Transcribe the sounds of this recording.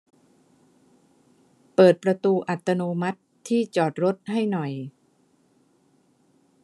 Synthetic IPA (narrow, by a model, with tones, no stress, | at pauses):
pɤː˨˩t̪̚pɾa˧t̪uː˧ʔa˨˩t̪ʰːa˧noː˧ma˦˥t̪ʰːiː˥˩t͡ɕɔː˨˩t̪̚ɾo˦˥t̪̚ha˥˩jnɔ˨˩j